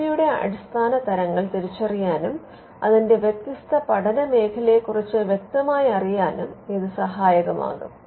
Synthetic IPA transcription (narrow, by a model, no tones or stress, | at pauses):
ɐjuɽe̞ɐ̰ɽist̪ʰaːnɐt̪ɐɾɐŋːɐɭt̪iɾit͡ɕːɐrijaːnum | ɐðinde̞ʋjek̚t̪ːist̪ɐpɐɽɐnɐme̞ːkʰɐle̞kːurit͡ɕːɨʋjek̚t̪ɐmaːjiɐrijaːnumiðɨsɐɦaːjɐɣɐma̰ːɣṵm